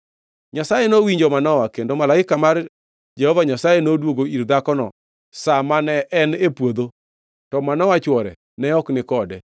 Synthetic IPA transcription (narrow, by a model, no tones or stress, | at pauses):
ɲasajenowiɲd͡ʒomanɔwakendomalaɪkamar | d͡ʒɛhɔvaɲasajenodwoɡoiɾd̪akɔnɔ̰ | samanɛʔɛnepwod̪o | tɔmanɔwat͡ʃwɔɾɛ̰ | nɛɔknɪkɔdɛ